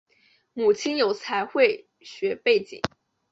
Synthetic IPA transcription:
mu˨˩t͡ɕʰi˥njo˧˥ʊt͡sʰa˧˥ɪxwe˥˩ɪ | ɕɥɛ˧˥pe˥˩ɪt͡ɕḭ˨˦ŋ

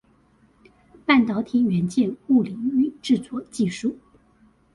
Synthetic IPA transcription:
pa˥˩nt̪ɑ˧˥ʊt̪ʰi˧˥ŋɥɛ˧˥nt͡ɕjɛ˥˧nu˥˩li˧˥ŋy˥˨˩ʈ͡ʂɻ̩˥˧t͡swɔ˥˩t͡ɕi˥˧ʂu˥˩

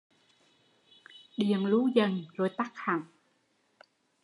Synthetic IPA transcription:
ɗi˨˩˨əŋlu˨˦zə˨˩nzo˨˩jt̪a˦˥k̚ha˨˩ŋ

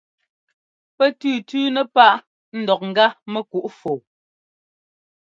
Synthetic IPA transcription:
pɛ˦tʉː˦˨tʉː˦nɛ˦pa˦˨ʔ | n̩˦˨dɔ˨k̚ŋ̩˨ɡa˦mɛ˦ku˨ʔfo˨

